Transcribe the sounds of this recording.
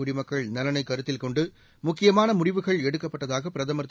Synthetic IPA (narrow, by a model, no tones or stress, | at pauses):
uɽɪmɐkːɐɭnɐlɐnɐɪkːɐɾɯt̪ːɪlkɔɳɖɯ | mʊkːɪjɐmaːnɐmʊɽɪʋɯɣɐɭɛɽɯkːɐpːɐʈːɐðaːɣɐpɪɾɐðɐmɐɾt̪